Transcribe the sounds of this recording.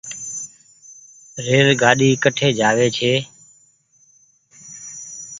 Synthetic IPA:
ɾeːɾɡaːɗiːkəʈʰeːd͡ʒaːʋeːt͡ʃʰeː

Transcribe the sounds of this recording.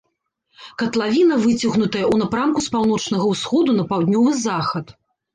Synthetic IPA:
kɐt̪lˠavʲinɐvɨt͡sʲɐɣnut̪ɐjɐʔunɐpɾamkuspawnɔt͡ʂnɐɣɐwsxɔd̪unɐpawd̪ʲnʲɔvɨzaxɐt̪

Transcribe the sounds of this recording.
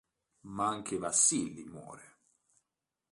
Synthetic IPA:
maaŋkevasːilːimwɔ̰ːɾe

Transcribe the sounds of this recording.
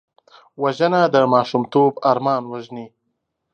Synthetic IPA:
waʒənad̪əmɑːʃumt̪obaɾmɑːnwaʒni

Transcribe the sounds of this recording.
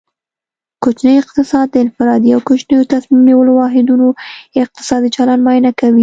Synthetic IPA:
kot͡ʃnəjɪq̚t̪ɪsɑd̪̚ːəɪnfɪɾɑd̪iawkot͡ʃnəjot̪asmimniwəlowɑɦɪd̪unoɪq̚t̪ɪ̥sɑd̪it͡ʃalanmɑjnakawi

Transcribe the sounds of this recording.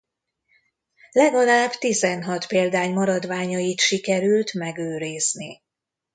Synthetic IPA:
lɛɡɒlaːbt̪izɛnɦɒt̪peːld̪aːɲmɒɾɒd̪ʋaːɲɒjit̪ʃikɛɾylt̪mɛɡøːɾiːzni

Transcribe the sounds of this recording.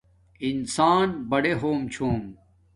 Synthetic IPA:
insaːnbɐɽeɦoːmt͡ɕʰoːm

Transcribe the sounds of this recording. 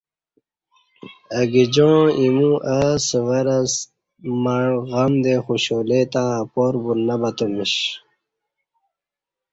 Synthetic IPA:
əɡid͡ʑõːimũʔəsəwɐɾɐs | maɳɣɐmd̪exuɕoːlet̪apoːɾbunɐbɐt̪omiɕ

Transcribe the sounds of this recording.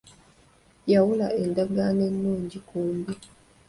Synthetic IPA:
jawulaʔe̞ndaɡane̞nːuːɲɟikuːmbi

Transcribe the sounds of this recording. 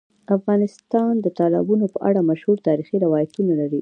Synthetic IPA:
afɣɑnɪst̪ɑnd̪ət̪ɑlɪ̰bunopəʔa̰ɽamaʃhuɾt̪ɑɾixiɾɪwɑjat̪unalaɾi

